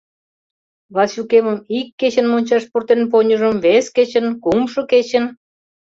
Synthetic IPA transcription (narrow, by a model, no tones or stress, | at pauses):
βɑsʲukemə̆mikːet͡ɕə̆nmonʲt͡ɕɑʃpurt̪enp̬oɲʲə̆ʒə̆mβesket͡ɕə̆nkumʃɤ̆ket͡ɕə̆n